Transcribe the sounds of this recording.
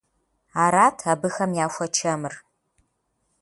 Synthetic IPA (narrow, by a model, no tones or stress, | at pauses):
aːɾaːtʰabɨxɐmjaːʃʷɐt͡ʃʰɐmɨr